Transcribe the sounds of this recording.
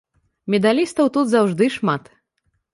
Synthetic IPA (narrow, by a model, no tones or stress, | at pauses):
mʲɛd̪alʲist̪ɐwt̪ud̪zawʐd̪ɨʂmat̪